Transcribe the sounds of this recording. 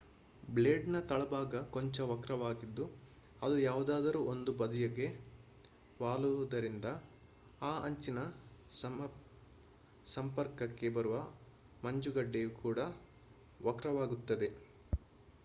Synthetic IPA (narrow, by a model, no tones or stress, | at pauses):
bleːɖnɐt̪ɐɭɐbaːɡɐkoɲt͡ʃɐʋɐkɾɐʋaːɡid̪ːu | ɐd̪ujaːʋud̪aːd̪ɐɾuːʔond̪ubɐd̪ɐjɐɡe̞ | ʋaːluɐd̪ɐɾind̪ɐ | aːʔɐɲt͡ʃinɐsɐ | sɐmpɐɾkɐkːe̞bɐɾuʋɐ | mɐɲd͡ʒuɡɐɖːejukʰuːɽɐ | ʋɐkɾɐʋaːɡut̪ːɐd̪e̞